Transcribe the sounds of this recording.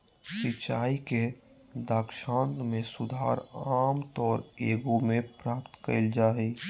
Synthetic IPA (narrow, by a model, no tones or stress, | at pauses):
sit͡ʃaːike | d̪aːkʃãːnt̪mẽsʊd̪ʱa̰ːɾaːmt̪ɔːɾeːɡomẽpɾaːpt̪kə̰ld͡ʒaːi